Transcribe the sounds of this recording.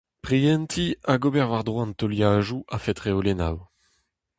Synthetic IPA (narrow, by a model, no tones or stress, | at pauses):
pʁiɛnt̪ʰiaɡobɛʁvaʁd̪ʁwaɑ̃nt̪ɔljaːʒuʔafɛt̪ʁeolena̰w